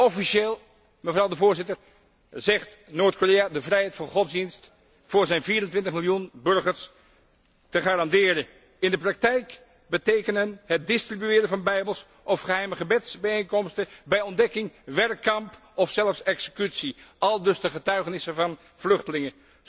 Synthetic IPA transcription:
ɔfiʃeːlˠ | məvrɑwdəvʊːɹzɪtəɹ | zɛχtnoːɹt̚koːrejadəvrɛjɦɛjtfɑnχɔtzdinst | fʊːɹzɛjnviːɾəntʋɪntəχmɪlˠjunbɵɹχəɹs | təχaːɾɑndɪːɾə | ɪndəprɑk̚tɛjk | bətejkənənɦət̚dɪstribyɪːɾənvɑnbɛjbəlˠs | ʔɔfχəɦɛjməχəbɛtsbɛjejnkɔmstəbɛjɔndɛkɪŋʋɛrkːɑmp | ɔfsɛlˠəfsɛksə̥kytsiʔɑlˠdɵsdəχətœɥχənɪsəvɑn | v̥lɵχtəlɪŋə

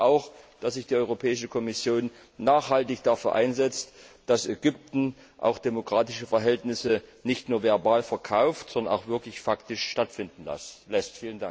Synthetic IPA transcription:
ʔaʊxd̥asz̥ɪçd̥iːɔʏʁopʰɛːɪʃəkʰɔmɪsjoːnː | aːχhaltɪçd̥afyːɐʔa̰ɪnzɛt͡std̥asɛɡʏp̚tn̩ | ʔa̰ʊxd̥emokʁ̥aːtɪʃəfɛɐɦɛltnɪsənɪçtnuːɐvɛɐbaːlfɛɐkʰaʊftz̥ɔndɐna̰ʊxv̥ɪɐklɪçfaktɪʃʃtatfɪndn̩la̰slɛstfiːləndaŋ

